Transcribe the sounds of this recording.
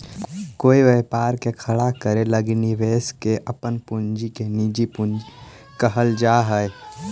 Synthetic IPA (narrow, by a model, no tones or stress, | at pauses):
koːiʋepaːɾkekʰəɽakəɾeləɡniʋeːskeʔəpənpund͡ʒikenid͡ʒipund͡ʒi | kəɦəld͡ʒaɦəe